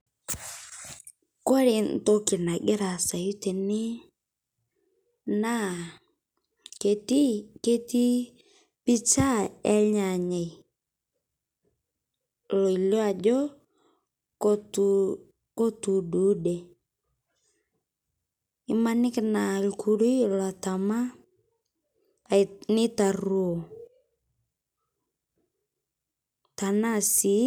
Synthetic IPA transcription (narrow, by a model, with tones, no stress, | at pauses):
kɔ˦ɾe˨n˨to˦kɪ˨na˨ɡɪ˦ɾa˨sa˨ju˦te˨nɪ˦ | na˦ | ketke˦ti˦ | pi˦t͡ʃa˦ɛ˦ɲa˨ɲɛ˨j | lo˨i˨lɔ˦a˨d͡ʒɔ˦ | kt | ko˦tu˨du˨˦dɛ˨ | i˦ma˦nɪ˦kɪna˨lkʰu˦ɾu˦jla˨ta˨ma˦˨ | nɪ˦ta˨ru˦o˨ | ta˨na˦si˨˦